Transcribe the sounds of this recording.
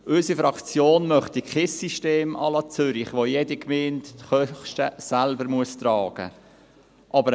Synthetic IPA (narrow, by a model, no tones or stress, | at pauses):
ʔʏsifɾɑkt͡sjoːnmœχtiχɪsːiʃteːmɑ̰lɑt͡sʏɾɪχʋojedikmeːntχœtəsælbəɾmuəst̪ɾɑːɡ̥ə̰ | ʔɑbəɾ